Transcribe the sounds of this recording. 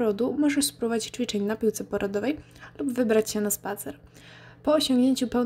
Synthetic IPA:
ɾɔd̪umɔʐɛspɾɔvad͡ʑit͡ɕt͡ʂfʲit͡ʂɛɲnapʲiwt̪sɛpɔɾʔɔd̪ɔvɛj | lubvɘbɾat͡ɕɕɛnaspat̪sɛɾ | pɔːɕɔ̃ŋɡɲeɲt͡ɕupɛw

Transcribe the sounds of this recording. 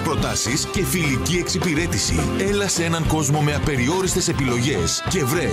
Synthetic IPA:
pɾo̞t̪ɐsisce̞filicie̞ksipiɾe̞t̪isḭ | e̞lɐsee̞nɐŋko̞zmo̞me̞ɐpe̞ɾio̞ɾist̪e̞se̞pilo̞ʝe̞sce̞vɾe

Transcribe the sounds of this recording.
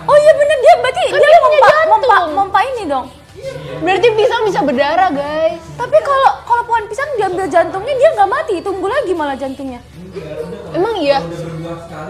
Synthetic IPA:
oijabənəndiabɾat̪idiamaɲadpaaamɔmpamɔmpainidɔŋ | bənart̪̬ipisaŋbis̬abədaɾaɡajst̪apikalokalopoanpisandiambɪld͡ʒant̪uŋɲadiaŋɡaʔmat̪it̪uŋɡulaɡimalad͡ʒant̪uŋɲa | emaŋija

